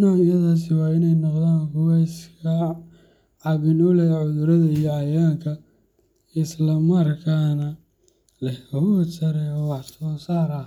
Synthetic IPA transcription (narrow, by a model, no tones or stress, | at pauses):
najɐðaːs̬ɪwɑːɪnɛjnɔqðaːŋkʰʊwɛjskʰɐ | ʕɑβɪnɔlɛʕʊðʊɾɐðɐijɔɐjaːŋkʰɐ | ɪslɐmɐrkʰaːnɐ | lɛhkɐhɔsɐɾɛjɔwɑħsɔːsaːɾɐ